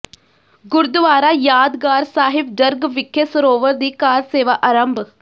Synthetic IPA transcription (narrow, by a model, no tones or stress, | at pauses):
ɡʊɾd̪ʋaːɾaːjaːd̪ɡaːɾsaːɦɪb̚d͡ʒəɾɡʋɪkʰːesəɾoːʋəɾd̪iːkaːɾseːʋaːʔaːɾəmb